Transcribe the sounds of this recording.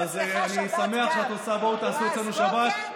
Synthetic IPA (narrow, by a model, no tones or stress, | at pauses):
azeanisame̞aχʃeat̪osabaut̪aːsuet͡slenuʃabat̪